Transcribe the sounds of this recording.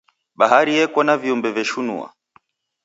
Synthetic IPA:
ɓaɦaɾijɛkwanaviumbɛvjɛʃunṵa̰

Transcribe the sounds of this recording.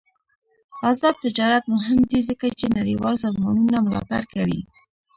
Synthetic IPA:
azɑd̪̚t̪ɪd͡ʒɑɾat̪mʊɦɪmd̪izəkat͡ʃenaɾiwɑ̰lzaɣmɑnunamʊlɑ̰t̪aɾkawḭ

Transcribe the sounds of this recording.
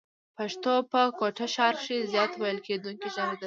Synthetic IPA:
paʂt̪opəkoʈaʃɑɾʃizjɑt̪wajəlked̪uŋkiʒɑnid̪a

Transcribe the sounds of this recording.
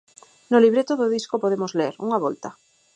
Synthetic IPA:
noliβɾet̪oðoðiskopoð̞emozleɾṵŋaβolt̪a

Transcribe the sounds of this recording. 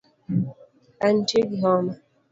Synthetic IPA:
an̩t͡ʃeɡiɦɔna

